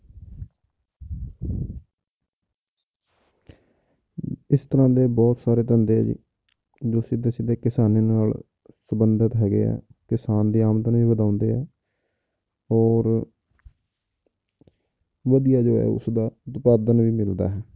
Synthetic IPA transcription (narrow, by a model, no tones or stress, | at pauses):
ɪst̪əɾãːd̪eːbɔːt̪saːɾeːt̪ənd̪eːɛ̰ːd͡ʒḭː | d͡ʒoːsɪd̪eːsɪd̪eːkɪsaːneːnaːl | səbənd̪ət̪ɦɛːɡḛːɛ̰ːkɪsaːnd̪iːaːmət̪nʋiːʋəd̪ãːʊnd̪ḛːɦɛː | ɔːɾ | ʋəd̪ijaːd͡ʒoːɛ̰ːʊ̰sd̪aːʊt̪paːd̪ənʋiːmɪld̪a̰ːɦɛː